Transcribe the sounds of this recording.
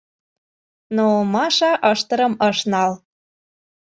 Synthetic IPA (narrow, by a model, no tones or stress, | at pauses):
noomɑʃɑʔəʃt̪ə̆ɾə̆məʃnɑl